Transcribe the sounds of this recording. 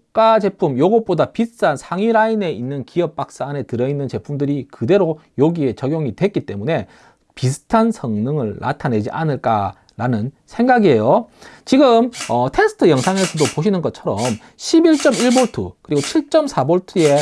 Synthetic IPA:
k͈ad͡ʑe̞pʰumjoɡʌp͈odapisʰɯ̥tʰansʰaŋiɾaine̞inːɯnkiʌp͈̚ːak̚s͈ane̞tɯɾʌinːɯnt͡ɕe̞pʰumdɯɾikɯde̞ɾojoɡie̞t͡ɕʌɡjoŋitwe̞k͈it͈e̞mune̞ | pisʰɯ̥tʰansʰʌŋnɯŋɯɭna̰tʰane̞d͡ʑḭʔanɯɭk͈a | ɾanɯnsʰe̞ŋɡaɡiɦe̞jot͡ɕiɡɯmʌtʰe̞sʰɯ̥tʰɯjʌŋsʰaŋe̞sʰʌdopoɕ̬ʰinɯnɡʌt͡ɕʰʌɾʌm | ɕʰibiɭt͡ɕ͈ʌmiɭboɭtʰṵkɯɾiɡot͡ɕʰiɭt͡ɕ͈ʌmsʰaboɭtʰue̞

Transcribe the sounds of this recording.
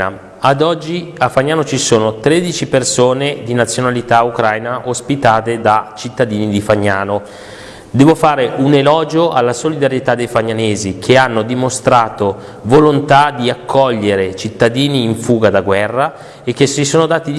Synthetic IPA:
a | ad̪ɔd͡ʒːiafaɲːaːnot͡ʃisoːnot̪ɾed̪it͡ʃipersoːned̪inat̪sːjonalit̪aukɾajnaʔospit̪aːt̪ed̪at͡ʃit̪ːad̪iːnid̪ifaɲːaːno | d̪ɛːvofaːɾeʔunelɔːd͡ʒoʔalːasolid̪aɾjet̪ad̪ːejfaɲːaneːzikʰeanːod̪imost̪ɾaːt̪o | volont̪ad̪iakʰːɔʎːeɾet͡ʃit̪ːad̪iːniːɱfuːɡad̪aɡwɛrːa | ekːesisoːnod̪aːt̪id̪

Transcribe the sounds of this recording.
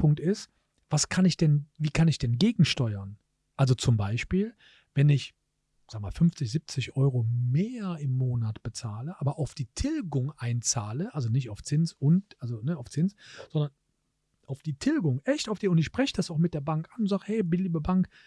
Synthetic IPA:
pʰʊŋk̚tɪst | v̥askʰanɪçd̥ɛnviːkʰanɪçd̥ɛnɡeːɡŋ̩ʃtɔʏɐn | ʔalzot͡sʊmbaɪʃpiːl | vɛnɪç | zaːɡŋmaːlfʏmft͡sɪçz̥ɪp̚t͡sɪçʔɔʏʁomeːɐɪmːoːnatb̥ət͡saːləʔaːbɐʔaʊfd̥iːtʰɪlɡʊŋʔaɪnt͡saːləʔalzonɪçtaʊft͡sɪnsʊntʔalzonəaʊft͡sɪnsz̥ɔndɐn | ʔaʊfd̥iːtʰɪlɡʊŋʔɛçtaʊfd̥iːʊntɪçʃpʁ̥ɛçəd̥asaʊxmɪt̚d̥eːɐbaŋkʔanʊntz̥aːɡəhɛɪbɪliːbəbaŋk

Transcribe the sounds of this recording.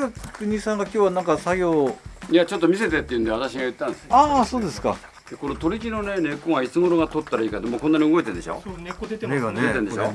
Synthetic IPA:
akɯ̟ɲ̟iːsãŋɡakʲo̞ːβanãŋkasaɡʲo̞ːiat͡ɕo̞t̪ːomʲis̬e̞t̪e̞t̪ːeiɯ̟̃nd̪eat̪aɕiɡajɯ̟t̪ːãnd̪esɨ̥aːso̞ːd̪e̞sɨ̥ka̰ | d̪̥ekonot̪o̞ɾʲik̬ʲino̞nene̞kːoŋɡait͡sɨɡo̞ɾoɡat̪o̞t̪ːaɾaiːkad̪emoːkonːaɲioɡo̞et̪end̪eɕo̰ | eẽndeɕo

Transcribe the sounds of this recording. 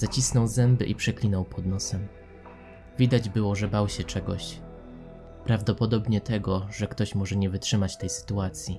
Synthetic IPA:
z̥at͡ɕisnɔwzɛmbɘ̰ʔipʂɛklʲinɔwpʰɔd̪nɔsɛm | vʲid̪ad͡ʑbɘwɔʐɛbawɕɛt͡ʂɛɡɔɕ | pɾavd̪ɔpɔd̪ɔbɲɛt̪ɛɡɔʐɛkt̪ɔɕmɔʐɛɲɛvɘtʂɘmat͡ɕt̪ɛjsɘ̥t̪uat̪sʲji

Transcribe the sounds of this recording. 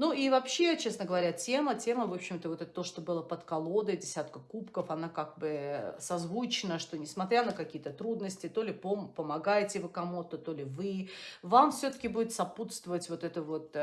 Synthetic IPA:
nuivɐpɕːe̞t͡ɕe̞snəɡəvɐɾʲatʲe̞mətʲe̞məvo̞pɕːɪmt̪əvot̪ɛt̪ət̪oʂt̪o̞bɨlˠəpət̪kɐlˠo̞d̪ədʲɪsʲat̪kəkupkəfɐnakaɡ̚bɨsɐzvut͡ɕɪnəʂt̪onʲɪsmɐt̪ɾʲanəkɐkʲijət̪ət̪ɾud̪nəsʲtʲɪt̪o̞lʲɪpompəmɐɡajɪtʲɪvɨkɐmut̪ət̪olʲɪvɨvamfsʲɵt̪ə̥kʲɪbudʲɪt̪sɐput̪st̪vəvətʲvo̞t̪ɛt̪ʊvo̞t̪

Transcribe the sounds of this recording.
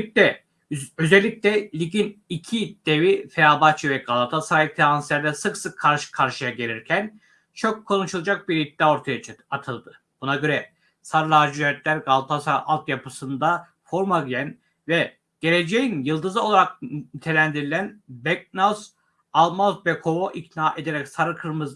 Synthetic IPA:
lʲɛ | øzɛlʲːic̚lʲɛlʲiɟinicʰid̪̥e̞vifejaːbat͡ʃʰɯvɛɡalˠat̪ʰasaːjɯt̪ʰansæɾd̪ɛsɯksɯkʰːaɾʃɯ̥kʰaɾʃɯjaɟe̞lʲiɾcʰæn | t͡ʃʰokʰːo̞nuʃulˠad͡ʒak̚biɾit̪̚d̪ao̞ɾt̪ʰajat͡ʃʰat̪ʰɯlˠd̪ɯ | b̥unaɟø̞ɾɛ | saɾɯlˠad͡ʒyɾɛt̪lʲæɾɡalˠt̪ʰasaʔalˠt̪japʰɯsɯnd̪a | fo̞ɾmaɡjɛn | vɛ | ɟ̥e̞ɾe̞d͡ʒejinjɯlˠd̪ɯzɯo̞lˠaɾak̚nyt̪ʰe̞lʲænd̪iɾilʲænbɛk̚naz | alˠmazbɛkʰo̞voʔicʰnaːʔe̞d̪e̞ɾɛcsaɾɯkʰɯɾmɯz

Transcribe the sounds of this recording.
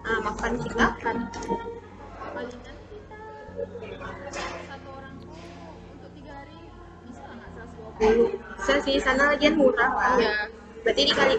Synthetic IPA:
ʔamakankit̪akan | akalinania | sat̪uoɾaŋ | unt̪ʊk̚t̪iɡaɦaɾi | bisamasasaduluisasɪhsanalaɡianmuɾaanja | bɾat̪idikali

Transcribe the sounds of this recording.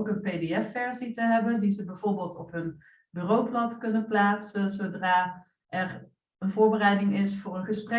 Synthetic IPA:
kənpejdeɛfːɛɹzitəɦɛbəndizəbɛjv̥ʊːɹbɪːlˠtɔpɦɵn | byrowplɑtkɵnənplaːtsənzowdraː | ʔɛr | ənvʊːɹbərɛjdɪŋɪsfʊːɹənχəsprɛ

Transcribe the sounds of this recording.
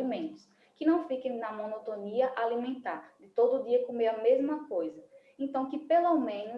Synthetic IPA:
imẽnt̪ʊ̥s | kɪnɐ̃w̃fikẽj̃nɐmõnot̪oniɐʔalimẽnt̪aɾd̪ɪt̪od̪ʊʊd̪iɐkomeɾɐmezmɐkojzɐ | ẽnt̪ɐ̃w̃kɪpelomẽnʊ

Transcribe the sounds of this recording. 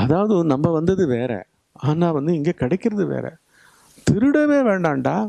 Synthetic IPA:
ɐðaːʋɐðɯnɐmbɐʋɐnd̪ɐðɯʋeːɾɛ̰ | aːnaːʋɐnd̪ɯɪŋɡeːkɪɽɐɪkːɪɾɐðɯʋḛːɾɛ̰ | t̪ɪɾɯɽɐʋeːʋeːɳɖaːɳʈaː

